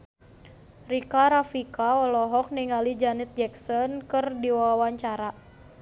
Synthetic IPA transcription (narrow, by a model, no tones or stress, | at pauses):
rikaɾafikaɔlɔɦɔk̚niŋalid͡ʒanɛt̪̚d͡ʒɛksɔnkɨrdiwawawaɲt͡ʃaɾa